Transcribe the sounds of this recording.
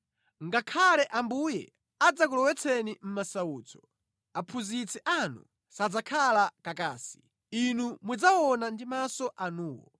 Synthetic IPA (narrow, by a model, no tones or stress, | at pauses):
ŋɡakʰalɛʔambujɛ̰ | ad͡zak̬ulɔwɛt͡sʰɛnim̩masauːt͡sɔ̥ | apʰuzit͡sʰɛʔanṵ | sad͡zakʰalakakaːsi̥ | inumud͡zawɔnandimasɔʔanuːwɔ̰